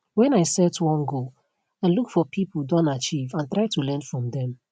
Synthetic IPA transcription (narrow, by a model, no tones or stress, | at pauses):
wɛ̃naɪsɛtʰwɔ̃nɡo | ãnlukfɔpʰipl̩ˠdɔ̃ntat͡ʃivãntɹaɪtulɛ̃nfɹɔ̃mdɛ̃m